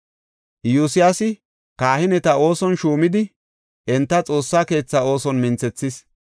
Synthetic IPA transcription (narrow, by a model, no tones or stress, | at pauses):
jusɪjasɪ | kaːhɪnɛt̪ɐo̞ːsɔnʃuːmɪd̪ɪ | ʔɛnt̪ːɐt͡sʼo̞ːsːaːke̞ːt͡sːɐo̞ːsɔnmɪnt͡sɛt͡sːɪs